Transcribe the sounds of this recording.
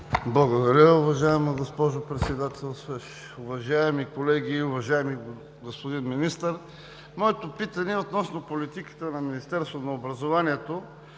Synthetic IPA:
blˠɐɡod̪ɐɾʲəʊvɐʒaɛmɐɡospɔʒopɾɛt̪sɛd̪at̪ɛlˠsɛʃ | ʊvɐʒaɛmikolɛɡiʊvɐʒaɛmi | ɡospod̪inminist̪əɾ | mɔɛt̪opit̪ɐniɛot̪nɔsnopolit̪ikə̥t̪ənɐminist̪ɛɾst̪vnɐobɾɐzovaniɛt̪o

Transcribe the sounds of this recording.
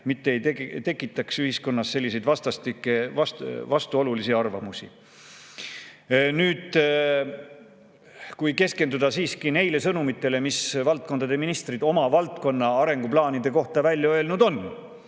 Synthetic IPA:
mit̪ːe̞ejt̪et̪e̞kːˑit̪ːˑɑksyhisko̞nːɑsːe̞lʲːise̞jd̪vɑst̪ɑst̪ikːˑevɑsvɑst̪uo̞lulisiɑrvɑ̰musḭ | nyːd̪̥ | kujke̞ske̞nd̪ud̪ɑsiːskine̞jle̞sɤnumit̪ːˑe̞le̞misvɑlt̪̚kond̪ɑd̪e̞minist̪rid̪o̞mɑvɑlt̪̚ko̞nːɑɑɾe̞ŋɡ̥uplɑːnid̪̥e̞ko̞ht̪ɑvælʲjɑø̞e̞lnud̪̥o̞n

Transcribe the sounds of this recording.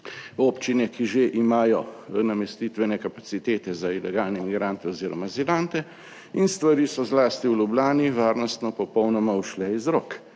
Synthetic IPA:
oːpt͡ʃinɛkiʒeʔimaːjɔnamɛst̪it̪ʋɛnɛkapat̪sit̪eːt̪ɛzailɛɡaːlnɛmiɡɾant̪ɛɔziːɾɔmazilant̪ɛ | inst̪ʋaɾiːsɔzlaːst̪iwlʲublʲaːniʋaːɾnɔst̪nɔpɔpɔwnɔmauʃlɛizɾok

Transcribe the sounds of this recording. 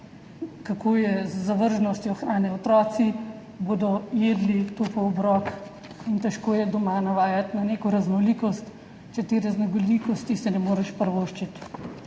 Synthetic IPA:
kakʰoːjɛzːaʋəɾʒnɔst̪jɔxɾaːnɛɔt̪ɾɔːt̪si | boːd̪ɔjeːd̪lit̪opɔɔbɾɔːk | int̪ɛʃkoːjɛd̪ɔmanaʋaːjat̪naneːkɔɾaznɔlikɔst̪ | t͡ʃɛt̪eɾaznɔɡɔlikɔst̪isɛnɛmoːɾɛʃpəɾʋoːʃt͡ʃit̪

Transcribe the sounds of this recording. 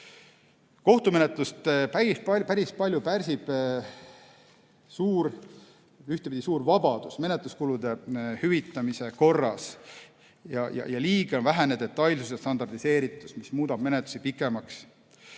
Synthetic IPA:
ko̞ht̪ume̞net̪ˑlust̪pæippæɾispɑlʲjupærʲsib̥ | suːɾ | yht̪epid̪isuːɾvɑbɑd̪̥usme̞ne̞t̪luskulud̪e̞hyvit̪ːˑɑmise̞ko̞rːɑs | jɑ̰jɑ̰jɑliːɡ̥eonvæɦæne̞d̪̥e̞t̪ːˑɑjlsusjɑst̪ɑnd̪ɑrd̪̥ise̞ːɾit̪ːˑu̥smismuːd̪ɑb̥me̞net̪lu̥sipikːˑe̞mɑks

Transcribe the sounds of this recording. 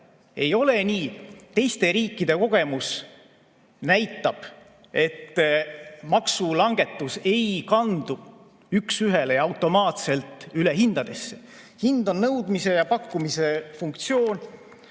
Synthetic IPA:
e̞jo̞le̞niːt̪e̞jst̪e̞ɾiːkˑːid̪̥e̞ko̞ɡ̥e̞mus | næjt̪ːˑɑb̥ | e̞t̪ː | mɑksulɑŋɡ̥e̞t̪ːˑuse̞jkɑnd̪̥u | yksyɦe̞lejɑwt̪ːˑo̞mɑːt̪se̞lt̪ˑyleɦind̪̥ɑd̪̥e̞sːe̞ | hind̪o̞nnɤwd̪̥mise̞jɑpɑkːumise̞fuŋkt̪sio̞ːn

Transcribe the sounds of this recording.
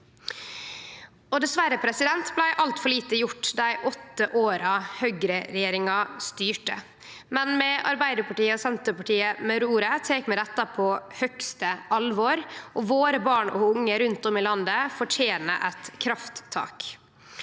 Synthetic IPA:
ɔd̪ɛsʋæɾəpʰɾɛsɪd̪ɛnt̪blæɪʔɑlt̪fɔɭiːt̪əjʊʈːd̪æɪʔɔt̪ːəʔoːɾɑhœɡɾəɾɛjeːɾɪŋɑst̪yːʈə | mɛnmɛʔɑ̰ɾbæɪd̪əɾpɑʈiːəɔsɛnt̪əɾpɑʈiːəmɛɾuːɾət̪ʰeːkmɛd̪ɛt̪ːɑpʰɔhœkst̪əʔɑlʋɔɾʔɔʋoːɾəbɑːɳɔ̰ʊŋːəɾʉnt̪ɔmɪlɑnd̪əfɔʈʰjeːnə̰ʔɛt̪kʰɾɑft̪ʰːɑ̰ːk

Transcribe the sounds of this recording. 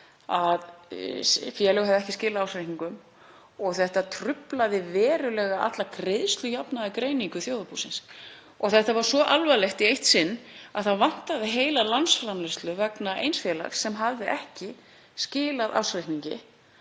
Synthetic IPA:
að | fjɛlɛɣhaɛvðɛhcɪscɪːlaðawsɾɪhniŋkʏm | ɔɣθɛht̪at̪ʰɾʏplaðɪvɛːɾʏlɛːɣaʔa̰t̪lakɾeðst̪ʏjapnaðakɾeːjniŋkʏθjoːwðapusɪns | ɔɣθɛht̪avaɾ̥svɔʔalvalɛxt̪iejht̪sɪnːaðθavan̥t̪aðɪɦeːjlalansfɾamlɪst̪lʏvɛknaʔḛjnsfjɛːla̰xsːɛmɦavðɪʔɛhcɪ | scɪːlaðʔa̰ːwsɾejhkniɲcɪ̰

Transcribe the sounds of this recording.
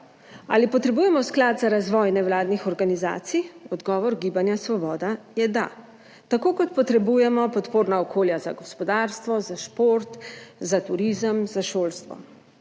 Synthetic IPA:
a̰lipɔt̪ɾɛbuːjɛmɔsklad̪zaɾazʋɔːjnɛwlaːd̪nixɔɾɡaniza̰ːt̪sijɔd̪ɡɔːʋɔɾɡiːbanjasʋɔbɔːd̪a | jɛd̪a̰ | t̪akokɔt̪pɔt̪ɾɛbujɛmɔpɔt̪poːɾnaɔkʰoːljaza̰ɡɔspɔd̪aːɾst̪ʋɔzaʃpoɾt̪zat̪uɾiːzəmzaʃoːlst̪ʋɔ̰

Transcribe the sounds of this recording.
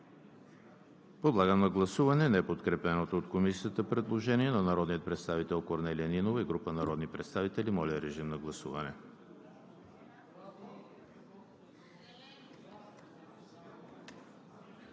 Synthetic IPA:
pod̪lˠaɡəmnɐɡlˠɐsuvɐnɛnɛpot̪kɾɛpɛnot̪oːt̪komisijət̪əpɾɛd̪lˠoʒɛniɛnɐnɐɾɔd̪nijət̪pɾɛt̪st̪avit̪ɛlˠkoɾnɛliəninovəiɡɾupənɐɾɔd̪nipɾɛt̪st̪avit̪ɛlimɔliəɾɛʒimnɐɡlˠɐsṵvɐnɛ

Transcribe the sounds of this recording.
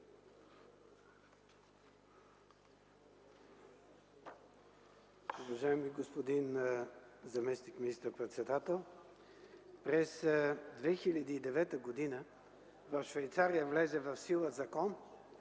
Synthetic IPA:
uvɐʒaɛmiɡospod̪in | zɐmɛsnikminist̪əɾpɾɛt̪sɛd̪at̪ɛlˠ | pɾɛsd̪vɛxilʲɐd̪iːd̪ɛvɛt̪əɡod̪inə | vɐfʃvɛjt̪saɾijəvlɛzɛvɐfsilˠəzɐkɔn

